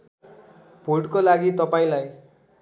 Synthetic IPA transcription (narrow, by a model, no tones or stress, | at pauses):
bʱoʈkolaɡit̪ʌpaĩlaj